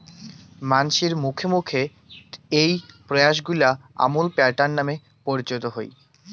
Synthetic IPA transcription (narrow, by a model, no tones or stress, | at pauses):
manʃiɾmukʰemukʰe | ejpɾojaʃɡulaa̰mulpɛɾʈanːame | poɾd͡ʑot̪oɦo̰j